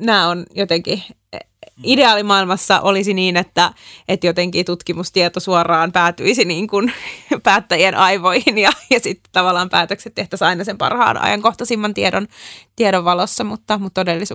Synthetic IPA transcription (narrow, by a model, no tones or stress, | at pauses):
næːonjot̪eŋki | ideɑːlimɑilmɑsːɑ̰ʔolisiniːnet̪ːæet̪jot̪eŋkiːt̪ut̪kimust̪iet̪osuorɑːmpæːt̪yisiniːŋkunpæːt̪ːæjienʔɑiʋoihinjɑjɑsit̪ːe̥t̪t̪ɑʋɑlːˑɑːmpæːt̪økset̪t̪eht̪æsɑinɑsempɑ̰rhɑ̰ːnʔɑ̰jɑ̰ŋkoht̪ɑsimːɑnt̪iedont̪ieɾoʋʋɑlosːɑmut̪ːɑmut̪t̪odelːis